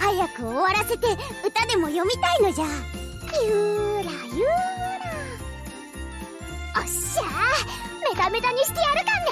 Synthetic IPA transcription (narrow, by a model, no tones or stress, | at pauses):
hajakɯ̟oβaɾase̞t̪e̞ɯ̟t̪ad̪e̞mo̞jo̞mʲit̪aino̞ʑajɯːɾajɯːɾa | aɕa | me̞t̪ame̞t̪aɲ̟iɕi̥k̪ʲiaɾɯ̟kãnd̪e